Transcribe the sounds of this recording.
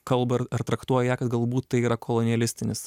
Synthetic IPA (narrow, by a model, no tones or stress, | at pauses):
kɐlˠbɐɐɾt̪ɾɐkt̪uɔjɛjæːkɐt̪ɡɐlˠbuːt̪ːɐɪiːɾɐkʰolˠɔnʲɪjɛlʲɪsʲt̪ʲɪnʲɪs